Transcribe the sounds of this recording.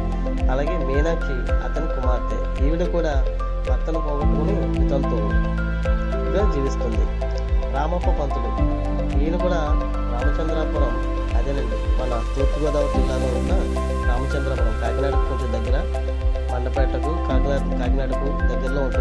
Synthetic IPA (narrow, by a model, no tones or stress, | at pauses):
ɐlaːɡe̞ːmiːnaki | ɐ̰t̪ɐnikumaːɾt̪ḛ | iːʋiɽukuːɽaː | bɐt̪ːɐlɐkoːʋɐʈuuni | mit̪ɐnt̪u | pɽeːmd͡ʒiːʋist̪und̪i | ɡɾaːmɐpːɐpɐnt̪uɽu | niːnukuːɽaː | ɡɾaːmɐt͡ʃɐnd̪ɾɐmpuɽɐm | ɐd̪eni | mɐnɐt̪uːʈ̪ːiɡɔːd̪ɐwut̪unːaːneːnːɐ | ɡɾaːmɐt͡ʃɐnd̪ɾɐmpɐnɐmkaːɡinaːɖukukunt͡ʃund̪ɐɡːɐɾɐ | pɐɳɖɐpɛʈːɐk̪ukaːɡnaːʈkaːɡnaːɖukud̪ɐɡ̪ːɐɾloːuɳʈu